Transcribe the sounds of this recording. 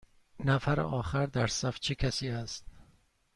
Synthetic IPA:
næfæɾḛʔɒːxæɾd̪æɾsæft͡ʃʰekʲʰæsiːæst̪̚

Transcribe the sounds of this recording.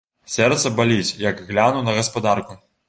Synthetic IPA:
sʲɛrt̪sɐbalʲit͡sʲjɐkɣlʲanunɐɣɐspad̪arku

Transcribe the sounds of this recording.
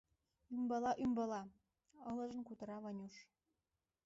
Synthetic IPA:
ymbɑlɑʔymbɑlɑ | ɤlɤ̆ʒə̆nkut̪ɤ̆ɾɑβɑnʲuʃ

